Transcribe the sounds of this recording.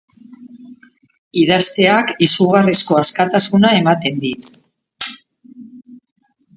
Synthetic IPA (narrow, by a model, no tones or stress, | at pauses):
iðast̪e̞akisuɣarisko̞askat̪asunae̞mat̪e̞nd̪it̪